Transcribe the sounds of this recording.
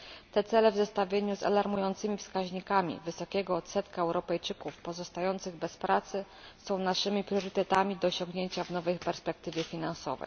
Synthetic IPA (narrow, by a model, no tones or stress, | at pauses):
t̪ɛt̪sɛlɛvzɛst̪avʲjeɲuza̰laɾmujɔnt̪sɘmʲifskaʑɲikamʲḭvɘsɔkʲɛɡɔːt̪sɛt̪kaɛwɾɔpɛjt͡ʂɘkufpɔzɔst̪ajɔnt̪sɘɣbɛspɾat̪sɘ | sɔ̃w̃naʂɘmʲipɾʲjɔɾɘt̪ɛt̪amʲid̪ɔːɕɔŋɡɲeɲt͡ɕavnɔvɛjpɛɾspɛk̚t̪ɘvʲjɛfʲinansɔ̰vɛ̰j